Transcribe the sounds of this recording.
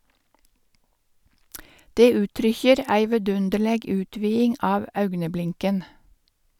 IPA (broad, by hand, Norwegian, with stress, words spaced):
ˈdeː ˈʉːtɾʏçəɾ ˈæɪ ʋɛˈdʉndəɭeːɡ ˈʉːtʋiːɪŋ ˈɑːʋ ˈɑʉɡnəˌblɪŋkən